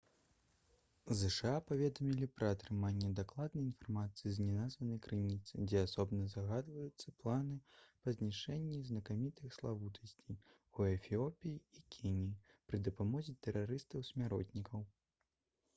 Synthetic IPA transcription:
zɛʂaapavʲɛd̪ɐmʲilʲipɾɐːt̪ɾɨmanʲːɛd̪aklˠad̪nɐjinfarmat̪sɨjiznʲɛnazvɐnɐjkɾɨnʲit̪sɨ̰d͡zʲɛasɔbnɐzaɣad̪vɐjut̪sːɐplˠanɨpɐzʲnʲiʂɛnʲːiznɐkamʲit̪ɨxslˠavut̪ʰɐsʲt͡sʲij | uɛfʲiɔpʲijiːkʲʰinʲijipɾɨd̪ɐpamɔzʲit̪ɛɾaɾɨst̪ɐwsʲmʲaɾɔ̰t̪ʲnʲikʰɐw

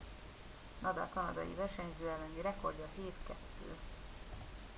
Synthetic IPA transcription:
nʔɒd̪ɒ̰lkɒnɒd̪ɒ̰jḭvɛrʃɛɲzøːɛlːɛniɾɛko̞rɟɒheːt̪kɛt̪ːy̰ːl

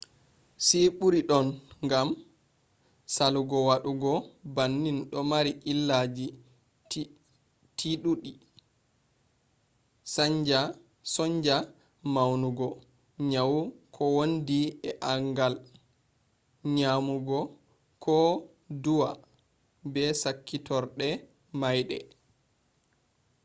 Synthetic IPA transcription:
siɓuɾiɗɔnŋɡam | saluɡɔwaɗuɡɔbanːinɗɔmaɾiʔilːad͡ʒi | tʰiɗuɗi | saɲd͡ʒa | sɔɲd͡ʒa | mawnuɡɔ | ɲawukʰɔwondiɛʔaŋɡal | ɲamuɡɔ | kʰɔ | duwa | bɛsakːitɔɾɗɛ | majɗɛ̰

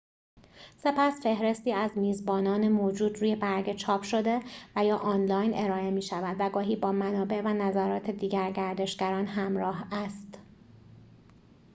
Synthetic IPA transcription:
se̞pʰæsfe̞hɾe̞st̪iːæzmiːzbɒːnɒːnemoːd͡ʒuːd̪ɾuːje̞bæɾɟet͡ʃʰɒːpʰʃo̞d̪e̞væjɒːʔɒnlɒːjnʔe̞ɾɒːe̞miːʃævæd̪væɡɒːɦiːbɒːmænɒːbe̞ʔvænæzæɾɒːt̪ʰe̞d̪iːɟæɾɟæɾd̪e̞ʃɡ̥æɾɒːnɦæmɾɒːɦæst̪

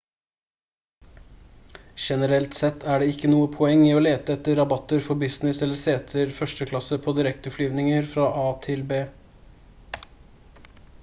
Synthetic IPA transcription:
ʃɛnəɾɛlt̪sɛt̪ʰːæːɖeːɪkːənuːəpʰɔɛŋːiːoːleːt̪əɛt̪ːəɾɑbɑt̪əɾfɔbɪsnɪsɛləseːt̪ʰəɾfœʂʈəkʰlɑsəpʰoːd̪ɪɾɛkt̪əflyːʋnɪŋəɾfɾɑːʔɑːt̪ʰɪlbeː

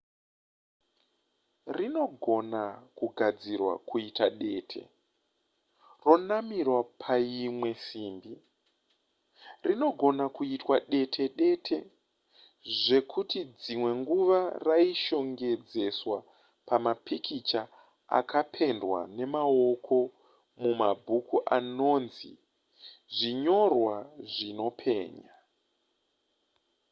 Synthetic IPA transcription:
rino̞ɡʱo̞nakuɡʱad͡zirwa̰kuitaɗe̞ːtʰe̞̰ | ro̞namirwapʰaimwe̞siːmbi | rino̞ɡʱo̞nakuitwaɗe̞tʰe̞ɗe̞tʰe̞ | ʐe̞kʰutid͡zimwe̞ŋɡuʋaraiʃo̞ŋɡe̞d͡ze̞swa | pamapikʰit͡ʃa | a̰kʰapʰe̞ndwa̰ne̞mao̞kʰo̞ | mumabʱukuʔano̞nzḭ | ʐiɲo̞rwaʐino̞pʰe̞̰ːɲa

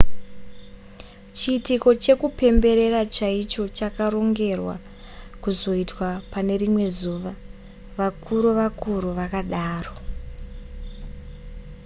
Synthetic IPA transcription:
t͡ʃiːtiko̞t͡ʃe̞kupe̞mbe̞ɾe̞rat͡ʃait͡ʃo̞t͡ʃakaro̞ŋɡe̞rwa̰ | kuzo̞itwapane̞rimwe̞zuːʋa | ʋakʰuɾuʋakuɾuʋakaɗaːro̞

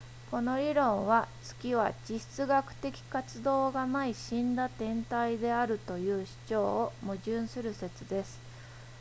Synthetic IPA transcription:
ko̞no̞ɾʲiɾõ̞ɰ̃βat͡sɨ̥kʲiβad͡ʑiɕi̥t͡sɨɡakɯ̟̥t̪e̞kʲi̥kat͡sɨd̪o̞ːɡanaiɕĩnd̪at̪ẽ̞nt̪aid̪e̞aɾɯ̟t̪o̞jɯ̟ːɕi̥t͡ɕo̞ːmɯ̟ʑɨ̃ɰ̃sɨɾɯ̟se̞t͡sɨd̪e̞sɨ̥

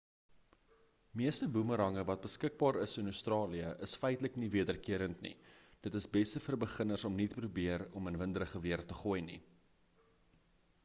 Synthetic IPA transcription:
miəstəbuməɾɐŋəvɐt̚bəskək̚bɑːɾəsənœɥstrɑːliəʔəsfəjtləkniviədərkiəɾəntnḭd̥ətəsbɛstəfərbəχənərsɔmnitprubiərɔmənvəndəɾəχəviərtəχuːjni

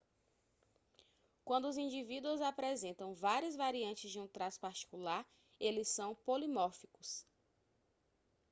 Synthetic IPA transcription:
kwɐ̃nd̪ʊːzĩd͡ʒivid̪uʊzapɾɛzẽnt̪ɐ̃w̃vaɾiɐzvaɾiɐ̃nt͡ʃɪzd͡ʒɪũt̪ɾaspaɾt͡ʃi̥kulaɾ | elɪsːɐ̃w̃polimɔɾfikʊs

